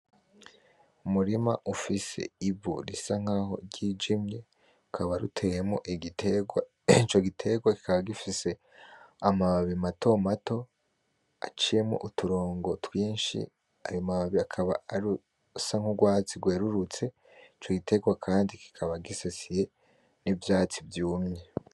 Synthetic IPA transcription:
umuɾimaʔufise̞̰iβṵɾisaŋ̥aːho̞̰ɟid͡ʒimje | ukʰaβaɾṵtʰe̞jemŋo̰ʔiitea | it͡ʃo̞ɡitʰe̞ɡwaki̥kaβaɡifise̞ | amaβaβimatʰo̞mato̞ | a̰t͡ʃije̞mŋo̰ʔutuɾo̞ːŋɡo̞twiːnʃḭ | a̰ɾiomaβaβiakʰaβa̰aɾu | saŋ̥uɡwaːt͡siɡwe̞ːɾuɾut͡se̞ | it͡ʃo̞ɡitʰe̞ɡwakʰaːndiki̥kʰaβaɡisesije̞ | nivjaːt͡sivjuːmɲe

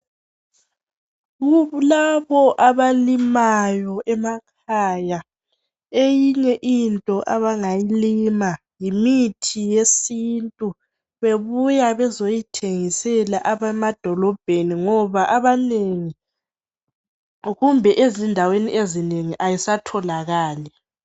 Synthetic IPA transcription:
ɣulaβɔʔaβalimajɔʔɛmakʰaːja | ejiɲɛʔintʼɔʔaβaŋajilima | jimitʰijesintʼu | βeβujaβɛzojitʰeŋisɛlaʔaβɛmad̥ʱɔlɔb̥ʱeniŋɔβaʔaβaneŋi | ɣumbʱɛʔezindʱaweniʔezineŋiʔajisatʰɔlaɣaːlɛ

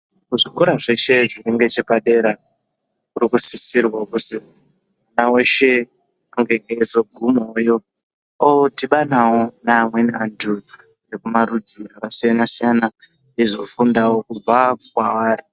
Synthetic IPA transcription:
kuʐikoɾaʐe̞ʃe̞ʐineŋɡe̞t͡ʃepaɗe̞ɾa | uɾikusisirwakuti | unaweʃe̞ | uŋɡeŋɡezoɡʱumojo̞ | otiɓanawonaːmweniandu | rekumarudʱirakasijanasijana | izofundawo̞kub͡vaukwawaːɾi

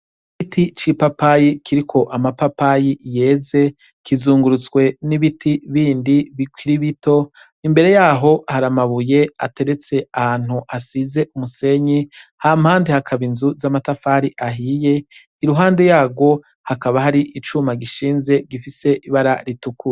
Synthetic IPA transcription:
ikitʰit͡ʃipapajikʰiɾikʰo̞ʔamapapajije̞ːze̞ | kizuːŋɡuɾut͡sɡwe̞niβitʰiβiːndiβikwiɾiβito̞ | imbe̞ɾe̞jaːɦo̞haɾamaβuje̞a̰te̞ɾe̞t͡se̞ahaːn̥huhasize̞ʔumuse̞ɲihamhaːndehakʰaβinzuzamatafaːɾiʔaɦije̞ | iɾuɦaːnde̞jaːɡo̞ | hakaβaɦaɾiʔit͡ʃumaɡiʃiːnze̞ɡifise̞ʔiβaɾaɾitukuɾe

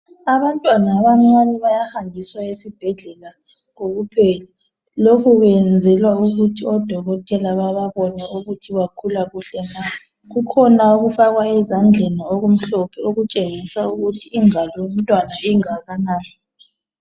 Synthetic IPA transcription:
aβantʼwanaβaŋ͡ǀanɛβajahambʱiswaesib̥ʱɛɮɛla | ɣoɣupʰɛlɛ | lokʰuɣɛnd͡zʱɛlwauɣutʰiɔd̥ʱɔɣɔtʼɛlaβaβaβɔnɛuɣutʰiβakʰulaɣuɬɛna | ɣukʰɔnauɣufaɣwaɛzand͡ɮʱenioɣum̩ɬɔpʰɛoɣut͡ʃʼeŋisauɣutʰiːŋalɔum̩tʼwanaiŋaɣanaːjɔ

